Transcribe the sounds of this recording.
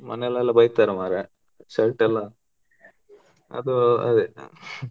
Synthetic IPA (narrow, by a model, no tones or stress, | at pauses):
mɐnɛlːɐɛlːɐbɐjt̪aːɾemaːɾe | sɐlʈɛlːɐ | ɐ̰d̪uɐ̰d̪e